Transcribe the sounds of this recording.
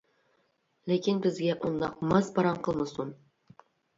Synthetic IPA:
lekʲʰɪnbɪzɡʲæʔund̪ɑqmɑsbɑɾɑmqʰɤlˠmɨsun

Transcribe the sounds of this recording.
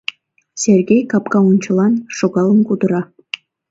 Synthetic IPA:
sʲerɡʲejkɑpkɑunt͡ɕɤ̆lˠɑnʃoɡɑlˠənkud̪ə̆ɾɑ

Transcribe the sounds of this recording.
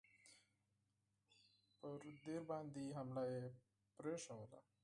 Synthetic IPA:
pəɾd̪eɾbãnd̪iɦamlae | pɾjosaela̰

